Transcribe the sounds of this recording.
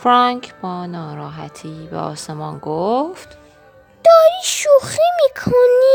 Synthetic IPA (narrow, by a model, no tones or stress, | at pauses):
fɾɒŋkʰb̥ɒːnɒːɾɒːɦæ̰t̪ʰiːbḛɒ̰ːse̞mɒnɡoft̪ | d̪̥ɒːɾiːʃuximiːkʰoni